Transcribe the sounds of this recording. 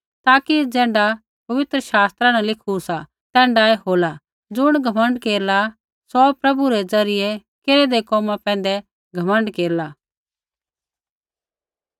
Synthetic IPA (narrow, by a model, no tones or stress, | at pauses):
t̪aːkid͡zɛ̃ːɳɖa | pɐʋɪt̪ɾəʃaːst̪ɾãnɛlɪkʰusa | t̪ɛ̃ːɳɖaɛɦoːla | d͡zʊɽ̃ɡʱɐmə̃ɳɖkeːɾla | sɔpɾɐbuɾɛd͡zɐɾɪjɛ | keːɾed̪ekɔːmãpɛ̃ːnd̪ɛ | ɡʱɐmə̃ɳɖkeːɾla